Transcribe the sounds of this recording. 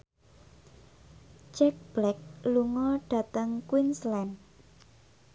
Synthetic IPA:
t͡ʃɛk̚b̥lɛk̚luŋɔɖ̥ä̤t̪əŋkwinslɛn

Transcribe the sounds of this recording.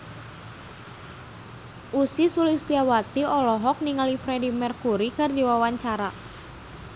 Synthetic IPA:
ʔusisulɪsdiawat̪iɔlɔɦɔk̚niŋalifɾɛdimɛrkuɾikɨrdiwawaɲt͡ʃaɾa

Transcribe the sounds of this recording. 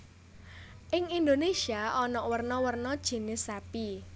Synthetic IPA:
ʔɪŋind̪onesiaʔɔnɔʔwərnɔwərnɔd̥ʒ̥e̤nɪsapi

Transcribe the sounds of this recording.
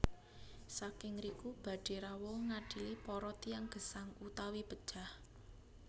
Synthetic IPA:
sakɪŋɾikub̥ä̤ɖ̥e̤ɾawɔŋaɖ̥i̤lipɔɾɔt̪ijaŋɡ̥ə̤saŋut̪awib̥əd̥ʒ̥a̤h

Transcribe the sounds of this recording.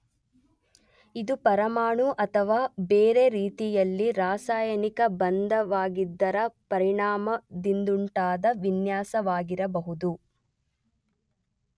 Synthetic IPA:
id̪upɐɾɐmaːɳuʔɐt̪ʰɐʋaːbeːɾe̞ɾiːt̪ijɐlːiɾaːsaːjɐnikɐbɐnd̪ɐʋaːɡid̪ːɐɾɐpɐɾiɳaːmɐd̪ind̪uɳʈaːd̪ɐʋinjaːsɐʋaːɡiɾɐbɐɦud̪u

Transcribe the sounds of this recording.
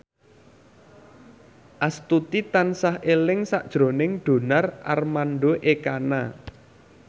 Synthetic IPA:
ʔast̪ut̪it̪ansahʔelɪŋsaʔd̥ʒ̥ɾo̤nɪŋɖ̪̥o̤narʔa̰rmanɖoʔekana

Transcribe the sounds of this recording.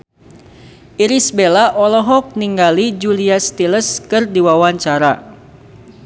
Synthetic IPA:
iɾisbelaʔɔlɔɦɔk̚niŋɡalid͡ʒuliast̪iləskɨrdiwawaɲt͡ʃaɾa

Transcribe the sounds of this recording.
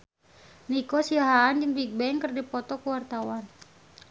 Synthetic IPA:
nikɔsiaɦaːnd͡ʒɨŋbik̚bɛŋkərdipɔt̪ɔkuwart̪awan

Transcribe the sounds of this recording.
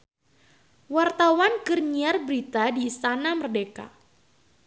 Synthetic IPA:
wart̪awankərɲiarbɾit̪adiːst̪anamərdeka̰

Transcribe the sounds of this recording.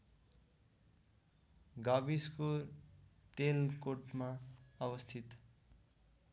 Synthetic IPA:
ɡabisko | t̪elkoʈmaʌbʌst̪ʰit̪

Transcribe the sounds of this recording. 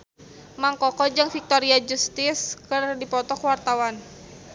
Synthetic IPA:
maŋkɔkɔd͡ʒɨŋfik̚t̪ɔɾiad͡ʒust̪ɪskɨrdipɔt̪ɔkwart̪awan

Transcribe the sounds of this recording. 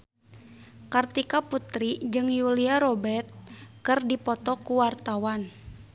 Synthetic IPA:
kart̪ikaput̪ɾid͡ʒɨŋjuliaɾɔbɛrt̪̚kɨrdipɔt̪ɔkuwart̪awan

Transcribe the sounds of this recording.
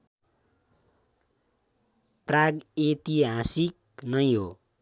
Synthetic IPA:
praɡet̪iɦasik̚ | nʌjɦo̰

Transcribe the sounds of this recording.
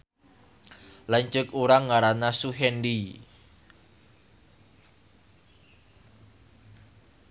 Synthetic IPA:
laɲt͡ʃəkuɾaŋːaɾanasuɦɛndi

